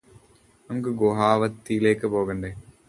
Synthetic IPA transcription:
nɐmuk̬ːɨɡoːɦaːʋɐt̪ːijile̞ːkːɨpoːɣɐɳɖe

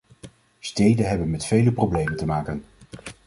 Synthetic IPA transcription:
stejdənɦɛbənmɛtfejləprowblejməntəmaːkən

